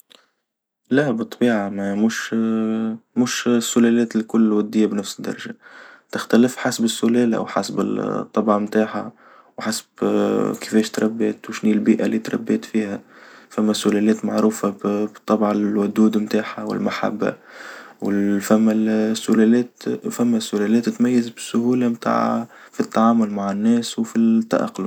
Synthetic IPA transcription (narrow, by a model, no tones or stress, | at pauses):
læbɨt̪ˤːɑbiːʕamæmuːʃ | muːʃsːʊlɛlɛːt̪ɪlkʊlːwæd̪ːɪjːabnæfsɪd̪ːɑɾˤɑʒat̪ɪxt̪ælɪfħasbɪsːʊlɛːlʔa̰wħa̰sbɪ̰t̪ˤːɑbʕɑmt̪aːħa̰ | wħasbkɪ̥fɛːʃt̪ɾˤɑbːɛːt̪wʃnilbiːʔalit̪ɾˤɑ̰bːɛːt̪fiːhæfæmːæsʊlɛlɛːt̪maʕɾuːfabt̪ˤːɑbʕawʊd̪uːd̪mt̪aːħawɪ̰lmaħa̰bːa̰wɪfæmːæsːʊlɛlɛːt̪fæmːæsːʊlɛlɛːt̪ːɪt̪mæjːɪzbɪsːʊhuːlamt̪a̰ːʕ̰fit̪ːaʕaːmʊlmaʕɪnːɛːswfit̪ːa̰ʔɑ̰qːlʊ